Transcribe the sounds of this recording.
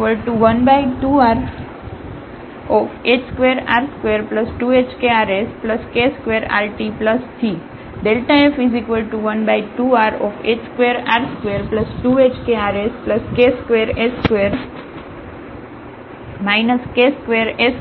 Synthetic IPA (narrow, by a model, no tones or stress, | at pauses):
əlʈuʋənbaiʈuaɾ | ɔfet͡ʃskʋeɾa̰ɾskʋeɾpləsʈuet͡ʃkeaɾespləskeskʋeɾa̰ɾʈipləst̪ʰi | ɖelʈaefizikʋəlʈuʋənbaiʈuaɾɔfet͡ʃskʋeɾaɾskʋeɾpləsʈuet͡ʃkeaɾespləskeskʋeɾeskʋeɾ | majnəskeskʋeɾes